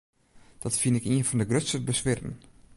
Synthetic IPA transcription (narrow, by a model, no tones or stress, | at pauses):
d̥ɔtfinɪkiənfɔndəɡrøtsəbəsʋɪrən̩